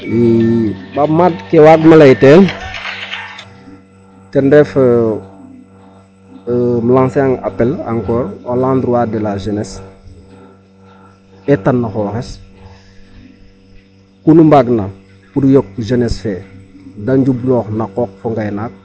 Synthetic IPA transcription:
wibamadkewaɡmalajiteːn | tɛndɛf | məlãŋseaŋa̰pela̰ŋkɔːɾolãːndɾwaːdɛlaʒenes | ɛtanːaxoːxes | kunumbaɡna | puɾjɔk̚ːʒenesfedaɲd͡ʒublɔːxnakoːk̚foŋɡajnaːt̚

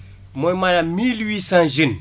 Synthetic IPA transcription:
mojmalamilwiːsãnʒin

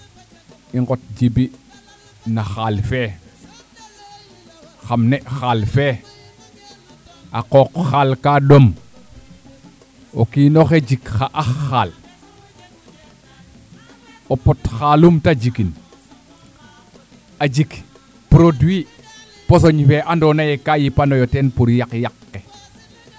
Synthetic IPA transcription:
iŋɡot̚d͡ʒibi | naxaːlfe | xamneʔxalfe | aqokxalkadom | okiːnoxeɟikxaʔaxːal | opotxalumtad͡ʒikin | ad͡ʒik | pɾodwi | pos̬oɲfeʔandonajekajipanojotenpuɾjakjakːe

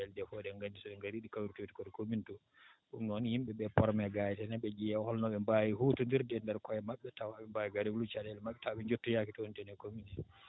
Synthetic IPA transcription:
ɛldɛfɔdɛŋɡandisɔɓɛŋɡaɾiɗikawɾtoti̥kɔdɛkomintu | ɗumnnhimɓɛɓɛpɔɾmɛɡajɛtɛnaɓɛd͡ʒijɛhɔlnɔɓɛmbajihutundiɾdɛndɛɾkɔjɛmaɓːɛtawaɓɛmbajiɡaɾilut͡ʃadɛlmaɓːɛtawaɓɛɲd͡ʒotːujakitɔhntɛnɛkominɛ

